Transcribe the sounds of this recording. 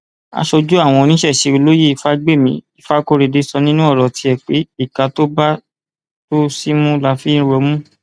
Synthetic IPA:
a̰˧ʃo˧d͡ʒu˦a˦˨w̃ɔ̃˧o˧nĩ˨˦ʃɛ˦˨ʃe˧o˧lo˦ji˦˨i˧fa˦ɡ͡be˦˨mĩ˧˦i˨fa˦ko˦ɾe˧de˧sɔ˧nĩ˦nũ˦ɔ˦˨ɾɔ˨ti˧˦ɛ˨k͡pe˨˦i˦˨ka˧to˦ba˦ | to˦si˦mũ˦la˧fĩ˦ɾo˧˦mũ˦

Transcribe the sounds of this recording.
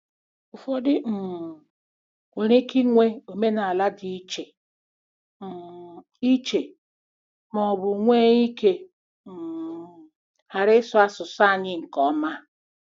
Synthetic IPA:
u˨fo˦dɪ˦m̩˨ | o˨ɾe˦ki˦ŋʷe˦o˨me˦na˨a˨la˦di˦t͡ʃe˨ | m̩˨ | i˦t͡ʃe˨ | mɔ˨bʊ˨ŋʷe˦i˦ke˦ | m̩˨ | ha˨ɾɪ˦sʊ˦a˦sʊ˨sa˦˨ɲɪ˦ŋ̩˨kɔ˨˦ma˦

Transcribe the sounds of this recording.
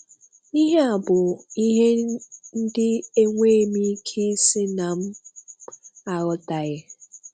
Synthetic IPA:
i˦ɦe˦a˨bʊ˨i˦ɦe˦n̩˦dɪ˦e˦ŋʷe˦˨mi˦kʰi˦sɪ˦na˨m̩˦ | a˨ɣʊ˦ta˨ɣɪ˦

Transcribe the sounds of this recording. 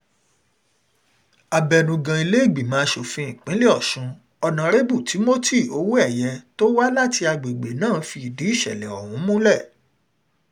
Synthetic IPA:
a˨bɛ˨nũ˨ɡã˨i˧le˦e˦˨ɡ͡bi˨mãː˨˦ʃo˨fĩ˧˦ĩ˨k͡pĩ˨˦le˦ɔ˦˨ʃũ˨˧˦ | ɔ˧nã˨ɾe˦bu˦˨ti˨˦mo˦ti˦˨o˨˦wu˦ɛ˦˨jɛ˧to˦wa˦la˦˨ti˧a˧ɡ͡be˨ɡ͡be˨nãː˦˨˦fi˧i˨di˨˦i˦˨ʃɛ̰˨lɛ˨ɔ̰˨wũ˨˦mũ˦lɛ˦˨

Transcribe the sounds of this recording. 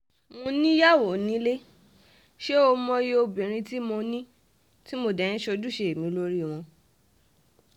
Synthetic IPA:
mõ˧nĩ˦ja˦˨wo˨nĩ˦le˦ | ʃe˦o˧mɔ̃˧je˦o˧bi˨ɾ̃ĩ˧ti˦mo˧nĩ˦ | ti˦mo˧dɛ˨ñĩ˦ʃo˧du˦˨ʃe˧e˨mĩ˨˦˧lo˦ɾi˦˨w̃ɔ̃˧

